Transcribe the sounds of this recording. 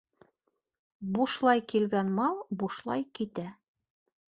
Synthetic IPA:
buʃlˠɑjkilɡænmɑlˠbuʃlˠɑ̰jkit̪æ

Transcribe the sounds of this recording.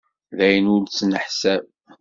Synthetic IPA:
ðæjənʊɾt͡sːnəħsæv

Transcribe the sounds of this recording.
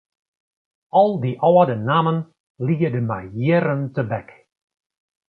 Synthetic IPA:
ɔlˠdiʔɔwədənaːmən | lijədəma̰jeɾəntəbɛk

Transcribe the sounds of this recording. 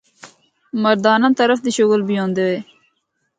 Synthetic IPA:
mɐɾd̪ɑːnɐnt̪ɐɾɐfd̪iɕoɡəlbijond̪ewe

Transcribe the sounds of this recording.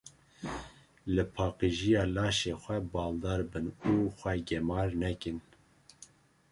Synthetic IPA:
lɨpʰɑːqiʒijɑːlɑːʃexʷɛbɑːld̪ɑːɾbɨnuːxʷɛɡɛmɑːɾnɛkɨn

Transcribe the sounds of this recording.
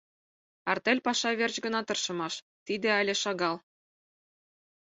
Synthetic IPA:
ɑrt̪elʲpɑʃɑβert͡ɕɡə̆nɑt̪ɤ̆rʃɤ̆mɑʃ | t̪id̪eɑlʲĕʃɑɣɑl

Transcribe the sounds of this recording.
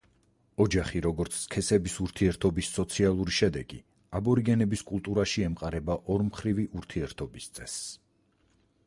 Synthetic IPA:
ɔd͡ʒaχiɾɔɡɔɾt̪sʰskʰɛsɛbisuɾt̪ʰiɛɾt̪ʰɔbisːɔt̪sʰialˠuɾiʃɛd̪ɛɡ̥ḭ | abɔɾiɡɛnɛbiskʼulˠt̪ʼuɾaʃiɛmqʼaɾɛbaʔɔɾmχɾiviʔuɾt̪ʰiɛɾt̪ʰɔbist̪sʼɛs

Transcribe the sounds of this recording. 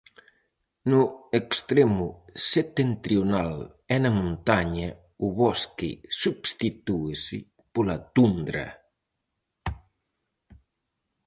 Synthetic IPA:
nuekst̪ɾemuset̪ent̪ɾjonal | ɛnamũnt̪aɲa | uβɔskḭsubst̪it̪uesɪ̰ | polat̪und̪ɾɐ̰

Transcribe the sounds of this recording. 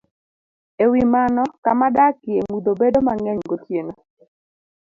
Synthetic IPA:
ewimanɔkamadakɪemud̪obedomaŋɛɲɡotjenɔ

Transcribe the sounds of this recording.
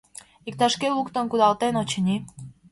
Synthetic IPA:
ik̚t̪ɑʃkeukt̪onkud̪ɑlˠt̪enot͡ɕə̆nʲi

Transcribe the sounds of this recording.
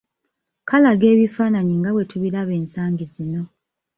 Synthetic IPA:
kalaɡe̞ːβifaːnaɲiŋɡawe̞tuβiɾaβe̞ːnsaːɲɟizino̞

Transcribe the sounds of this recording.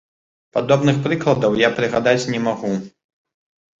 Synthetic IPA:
pad̪ɔbnɨxpɾɨklˠɐd̪ɐwjapɾɨɣad̪at͡sʲnʲɛmaɣu

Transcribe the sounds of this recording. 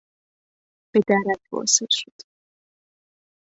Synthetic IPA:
b̥ed̪æɾæk̪bɒ̰selʃod̪̥

